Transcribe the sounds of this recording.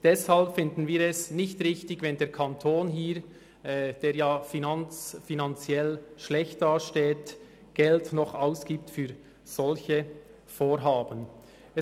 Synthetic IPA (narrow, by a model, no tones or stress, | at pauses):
d̥ɛshalpfɪndn̩viːɾɛsnɪçtʁɪçtɪɡvɛndeːɾkʰɑntʰoːnɦiːɾ | ɛd̥eːɾjaːfinant͡sfinɑnt͡sjɛlʃlɛçt̚d̥aːʃteːt | ɡ̥ɛltnɔχaʊsɡ̥iːp̚tfyːɾ | z̥ɔlçə | foːɾɦaːbən | ɛ